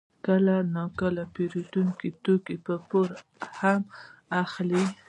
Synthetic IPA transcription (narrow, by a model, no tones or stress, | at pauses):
kəlanɑkəlapeɾit̪uŋkit̪okipəpoɾ | hamaxli